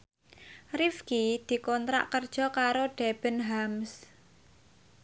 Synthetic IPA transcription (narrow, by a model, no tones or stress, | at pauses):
rifkid̪̥i̤kɔnt̪ɾa̰ʔkərd̥ʒ̥ɔ̤kaɾoɖ̥eb̥ə̤nɦams